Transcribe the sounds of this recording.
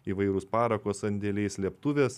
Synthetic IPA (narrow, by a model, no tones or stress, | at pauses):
iʋɐɪɾʊspɑːɾɐkoːsɐnʲd̪ʲelʲɛɪslʲiɛpt̪ʊʋʲeːs